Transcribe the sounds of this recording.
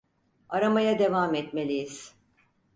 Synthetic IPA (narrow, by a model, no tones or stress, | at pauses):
aɾamajad̪e̞vamɛt̪melʲijiz̥